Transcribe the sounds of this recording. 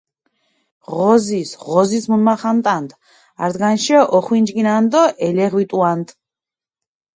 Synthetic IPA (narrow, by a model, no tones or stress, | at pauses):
ʁɔzisʁɔzismunmaχant̪ʼand̪ | aɾd̪ɡanʃiɔʔɔχwind͡ʒɡinand̪ɔʔɛlɛʁwit̪ʼuant̪ʼ